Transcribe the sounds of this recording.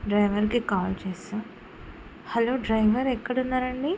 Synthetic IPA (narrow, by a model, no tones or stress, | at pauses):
ɖɾɐjʋɐɾkikaːlt͡ʃeːsa | hɐloːɖɾɐjʋɐɾɛkːɐɽunːaːɾɐɳɖi